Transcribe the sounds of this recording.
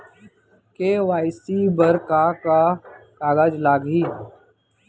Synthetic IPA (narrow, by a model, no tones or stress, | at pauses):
keʋaːɪsiːbəɾkakakaːɡaːd͡ʒlaːɡiː